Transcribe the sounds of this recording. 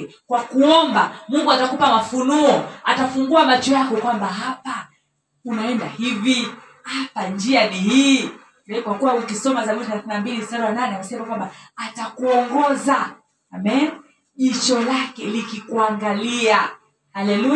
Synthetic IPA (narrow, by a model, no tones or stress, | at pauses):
kwakuɔmbamuŋɡuatakupamafunuɔatafuŋɡuamat͡ʃɔjakɔkwambaɦapa | unaɛndahivi | hapand͡ʒianihiː | ɛkwakuwaukisɔmazamitiθalaθinambilisaɾawananɛasɛmakwambaːtakuɔŋɡɔzaː | mɛn | ʄit͡ʃɔlakɛlikikuaŋɡalia | halɛlu